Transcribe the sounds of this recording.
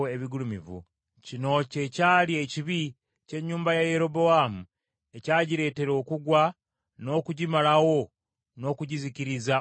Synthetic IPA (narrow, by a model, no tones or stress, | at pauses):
eβiɡulumivṵ | cino̞ce̞caːlie̞ciβi | ce̞ɲːuːmbajaje̞ɾo̞bo̞aːmu | e̞caːɟiɾe̞ːte̞ɾo̞ːkuɡwa | no̞ːkuɟimalawo̞ | no̞ːkuɟizikiɾiza